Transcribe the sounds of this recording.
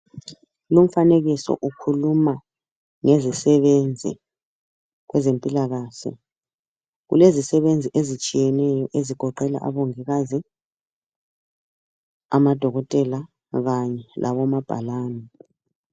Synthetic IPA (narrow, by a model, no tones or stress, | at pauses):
lum̩faneɣisɔ̰ʔukʰuluma | ŋezisɛβend͡zʱḭ | ɣwɛzempʼilaɣaːɬɛ̰ | ɣṵlezisɛβend͡zʱiʔezit͡ʃʼijɛnɛjɔʔeziɡ̥ʱɔǃɛla̰ʔa̰βoŋiɣazi | a̰mad̥ʱɔɣɔtʼɛla | ɣaɲɛlʔa̰βɔmab̥ʱa̰laːnɛ